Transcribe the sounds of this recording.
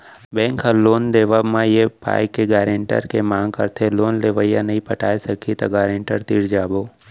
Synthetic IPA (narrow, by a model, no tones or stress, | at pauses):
bɛ̃ːŋkaloːnd̪eːʋamãjepa̰ːɪkːeɡaːɾẽɳʈə̰ɾkemãːŋɡ̚kəɾt̪ʰeloːnleʋəɪjãnəɦĩpəʈʰaːesəkʰit̪ɐɡaːɾẽːɳʈəɾt̪iːɾd͡ʒaːboː